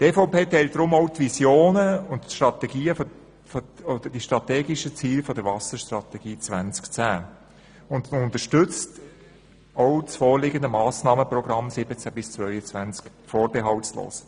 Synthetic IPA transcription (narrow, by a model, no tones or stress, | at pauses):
t̪efɔʊpeːt̪ɛɪlt̚d̥ɾʊmɔʊtʋisjoːnəʊntʃtɾɑtɛɡiːəf | foodəd̥iʃtɾɑtɛːɡiʃət͡siːlfɔdəɾvɑsəʃt̪rɑt̪ɛɡ̥iːt͡sʋænt͡skt͡sæː | ʊndʊnt̪əʃtʏt͡st | ɔwt͡sfɔːlɪɡənd̪əmɑːsnɑːməprɔɡ̥ɾɑmsɪbət͡sæbɪst͡svœʏət͡sʋænt͡sk | fɔːɾbeɦɑwtslo̰ːs